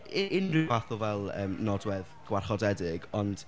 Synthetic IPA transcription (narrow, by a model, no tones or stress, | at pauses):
ɪɪnrɪvaθʊvɛlˠə̰ːmnɔdwɛðɡ̥warχɔdɛdɪɡɔnd̥